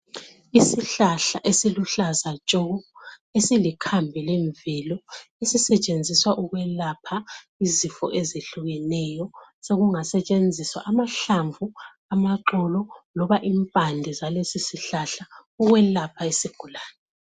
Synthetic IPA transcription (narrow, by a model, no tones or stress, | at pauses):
isiɬaɬa̰ʔesiluɬazat͡ʃʼɔɣɔ | esilikʰambʱɛleɱvɛlɔesisɛt͡ʃʼend͡zʱiswaʔuɣwɛlapʰa | izifɔ̰ʔezeɬuɣɛnɛːjɔseɣuŋasɛt͡ʃʼend͡zʱiswa̰ʔamaɬaɱvu | amaǃɔlɔlɔβaʔiːmpʼandʱɛzalesisiɬaɬauɣwɛlapʰaesiɡ̥ʱulaːnɛ